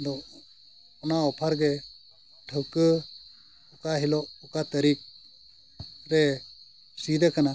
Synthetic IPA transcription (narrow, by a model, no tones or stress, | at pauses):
d̪ɔ | ɔnaɔpʰaɾɡɛ | ʈʰəwkə | ɔkaɦilɔʔɔkat̪əɾik̚ | ɾɛ | sid̪ɛkana